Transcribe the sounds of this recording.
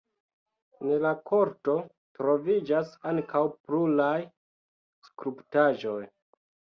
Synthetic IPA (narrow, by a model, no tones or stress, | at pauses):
nelakʰo̞ɾto̞ | tɾo̞vid͡ʒasaŋkʰawpɾulaj | skɾuptaʒo̞j